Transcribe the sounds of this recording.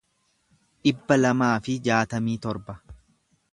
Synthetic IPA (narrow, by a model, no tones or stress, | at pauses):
ᶑɪbːɐlɐmaːfɪd͡ʒaːt̪ɐmiːt̪ɔɾbɐ